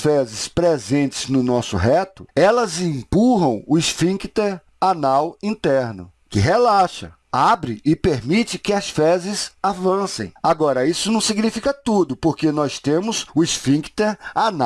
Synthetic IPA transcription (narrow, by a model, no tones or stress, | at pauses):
fɛzɪspɾezẽnt͡ʃɪ̥znʊnɔsʊɦɛt̪ʊɛlɐzĩpuɦɐ̃w̃ʊɪsfĩkt̪eɾ | anawĩnt̪ɛɾnʊ̰ | kɪɦelaʃɐ̰ | abɾɪʔɪpeɾmit͡ʃɪkɪɐsfɛzɪzavɐ̃sḛ̃j̃aɡɔɾɐisʊnɐ̃w̃siɡnifikɐt̪ud̪ʊpoɾkenɔst̪ẽmʊzʊɪsfĩkt̪eɾana